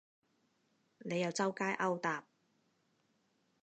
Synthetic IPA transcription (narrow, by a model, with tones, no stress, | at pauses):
ne˨˧jɐ˨˧wt͡sɐ˥wkaː˥jʔɐ˥wt̪aː˨p̚